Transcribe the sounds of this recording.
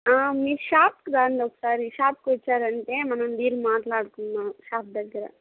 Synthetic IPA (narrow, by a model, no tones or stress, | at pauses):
aːmiːʃaːpkɾaːnɖoksaːɾiʃaːp̚kɔt͡ʃːaːɾɐɳʈ̪emɐnɐnd̪iːɾmaːt̪laːɽkunmaʃaːp̚d̪ɐd̪iɾɐ̰